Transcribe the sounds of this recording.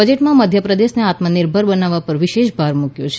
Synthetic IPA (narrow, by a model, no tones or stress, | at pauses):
əd͡ʒeʈmãməd̪ʱjəpɾəd̪eʃneat̪mənɪɾbʱəɾbənaʋapəɾʋɪʃeʃbʱaɾmukjot͡ʃʰ